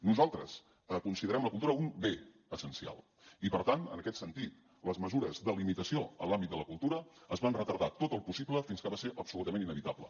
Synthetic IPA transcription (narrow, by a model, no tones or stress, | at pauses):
nuzalˠt̪ɾəs | əkunsiðəɾɛmləkulˠt̪uɾəumbe | əsənsia̰lˠ | ipəɾt̪anənəkɛt̪sənt̪it̪ | ləzməzuɾəzðəlimit̪əsioə̰lambit̪d̪ələkulˠt̪uɾəːzβanrət̪əɾðat̪ot̪əlˠpusibləfinskəβaseɾʔəpsulut̪əmeninəβit̪ablə̰